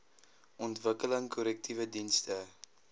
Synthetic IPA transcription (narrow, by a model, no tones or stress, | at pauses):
ʔɔntvəkələŋkʰɔɾɛk̚tʰivədinstə